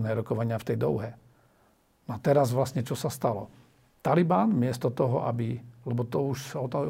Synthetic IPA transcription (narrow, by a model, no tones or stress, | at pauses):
nɛːɾɔkɔʋaɲɪaft̪ɛjd̪ɔʊɦɛ | nɔat̪ɛɾazʋlasɲɛt͡ʃɔsast̪alɔ̰ | t̪alibaːnmɪɛst̪ɔt̪ɔɦɔʔabilɛbɔt̪ɔuʃsaɔt̪ɔ